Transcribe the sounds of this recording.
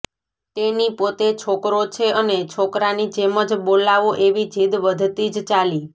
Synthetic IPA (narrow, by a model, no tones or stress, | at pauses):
t̪enipot̪et͡ʃʰokɾot͡ʃʰeʔənet͡ʃʰokɾanid͡ʒeməd͡ʒbolaʋoʔeʋid͡ʒʱid̪ʋəd̪ʱt̪id͡ʒt͡ʃali